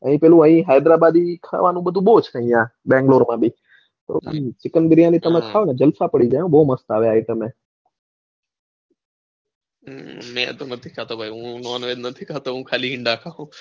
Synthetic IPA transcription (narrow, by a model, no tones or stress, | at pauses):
ə̰ɦĩpɛlũəĩɦajd̪ɾabad̪ikʰa̰ʋanũɓəd̪ʱũɓoːt͡ʃʰəĩjãɓɛ̃ŋɡloːɾmãbiː | t̪o̰t͡ʃɪkənɓɪɾjãnĩt̪əmẽkʰaːʋonɛd͡ʒəlsapəɽid͡ʒaːjũɓooməst̪aʋeaːɦit̪əmẽ | mɛ̰̃t̪onət̪ʰi̥kʰat̪obʱaiɦũnɔnʋed̪nət̪ʰikʰat̪oɦũkʰaːliɦɪ̃ɳɖakʰaɦũː